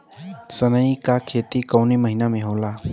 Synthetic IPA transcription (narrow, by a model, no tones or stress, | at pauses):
sənəikakʰeːt̪ikəwniməɦinamẽɦoːlaː